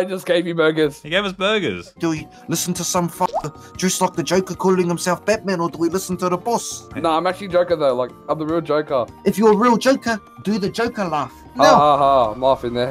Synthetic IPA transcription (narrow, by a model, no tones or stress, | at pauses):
aɪd͡ʒʌsɡ̥eɪvjɨbɜ˞ɡəz̥hiɡeɪvəsbɜ˞ɡə̰z̥d̥əwi | lɪsə̃n̩tʰəsʌ̃ɱfak̚ə | dɹ̥ɛslaɪk̚ðəd͡ʒoʊkəkʰɔlˠɪ̃ŋhə̃msɛlˠfb̥æd̚mæ̃nə˞dəwilɪsn̩tʰəðəbɔsnoʊãɪ̃mæk̚t͡ʃʉl̩ˠid͡ʒoʊkəðoʊlaɪkãɪ̃mðəɹilˠd͡ʒoʊkəɨfjəɹilˠd͡ʒoʊkə | dɨðɨd͡ʒoʊkəlæf | nahɑɦɑɪ̃mlæfɪ̃ŋðə